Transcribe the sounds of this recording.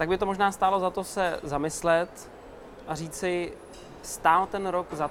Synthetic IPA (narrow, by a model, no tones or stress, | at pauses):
t̪aɡbɪt̪omo̞ʒnaːst̪aːlo̞zat̪o̞sɛzamɪslɛt̪ | ʔariːt͡sɪjɪ | st̪aːlt̪ɛnɾoɡza